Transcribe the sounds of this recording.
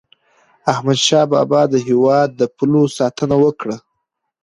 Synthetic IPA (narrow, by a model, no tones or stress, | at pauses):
ahmad̪ʃɑbɑ̰bɑd̪əɦewɑd̪ːəpʰulosɑt̪ʰənawəkɽa